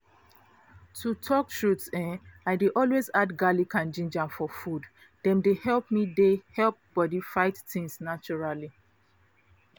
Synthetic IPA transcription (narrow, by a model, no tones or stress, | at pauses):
tʰutʰɔkʃutsɛ̃aɪdeʔɔlwezadɡalikʰãnd͡ʒĩnd͡ʒãmfɔfud | dɛ̃mdehɛlˠp̚midehɛlp̚b̥ɔdifaɪttɪ̃ŋsnat͡ʃɔɹali